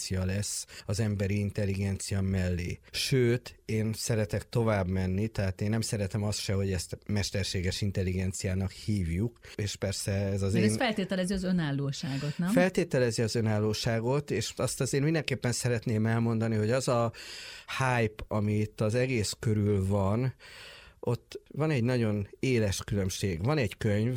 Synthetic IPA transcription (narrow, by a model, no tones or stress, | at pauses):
sijɒlɛsɒzɛmbɛɾiint̪ɛlːiɡɛnt̪sijɒmɛlːḛːʃøːt̪eːnsɛɾɛt̪ɛkt̪o̞vaːbmɛnːit̪ɛɦaːt̪eːnːɛmsɛɾɛt̪ɛmɒst̪ʃɛho̞ɟɛst̪mɛʃt̪ɛrʃeːɡɛʃint̪ɛlːiɡɛnt̪sijaːnɒkhiːvjukeːʃpɛrsɛɛzɒzeːfɛlt̪eːt̪ɛlɛziɒzønaːlːoːʃaːɡot̪nɛmfɛlt̪eːt̪ɛlɛziɒzø̞naːlːoːʃaːɡo̞t̪eːʃɒst̪ɒzeːrmind̪ɛŋkeːpːɛnsɛɾɛt̪neːmɛlmo̞nd̪ɒniɦo̞ɟɒzɒ | haːjpɒmiːt̪ːɒzɛɡeːskø̞ɾylvɒn | ʔo̞t̪ːvɒnɛɟnɒɟo̞neːlɛʃkylø̞mʃeːɡʋɒnɛɟkøɲv